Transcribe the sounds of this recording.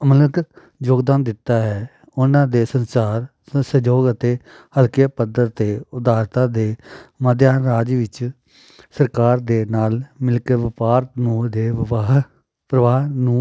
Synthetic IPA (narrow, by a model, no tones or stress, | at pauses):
mələk | d͡ʒoːɡd̪aːnd̪ɪt̪ːaːɦɛː | ʊnãːd̪eːsənsaːɾ | səd͡ʒoːɡət̪eː | həlkijaːpəd̪əɾt̪eːʊd̪aːɾt̪ãːd̪eːməd̪jaːɾaːd͡ʒʋɪt͡ʃ | səɾkaːɾd̪eːnaːlmɪlkəʋɪpaːɾt̪nũːd̪eːɦ | pɾəʋaːɦnũː